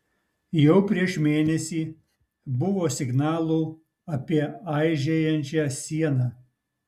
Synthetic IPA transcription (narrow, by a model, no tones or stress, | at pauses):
jɛʊpʲɾʲiɛʃmʲeːnʲɛsʲiː | bʊʋoːsʲɪɡnɑːlˠuː | ɐpʲiɛɐɪʒʲejɛnʲt͡ʃʲæːsʲiɛnɑː